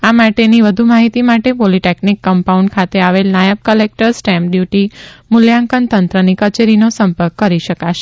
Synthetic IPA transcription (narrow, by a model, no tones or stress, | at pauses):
amaʈeniʋəd̪ʱumaɦit̪imaʈepoliʈeknikːəmpauɳɖkʰat̪eaʋelnajəb̚kəlek̚ʈəɾsʈɛ̃mpɖjuʈimʊljãŋkənt̪ənt̪ɾənikət͡ʃeɾinosəmpəɾkːəɾiʃəkaʃe